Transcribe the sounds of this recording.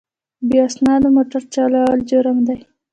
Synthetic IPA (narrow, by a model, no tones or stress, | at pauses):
biɑsnɑd̪əmoʈaɾt͡ʃɑlɑld͡ʒoɾamd̪aj